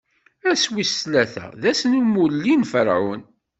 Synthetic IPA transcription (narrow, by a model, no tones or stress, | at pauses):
æswislæθæ̰ðæsnumulːinfəɾʕṵn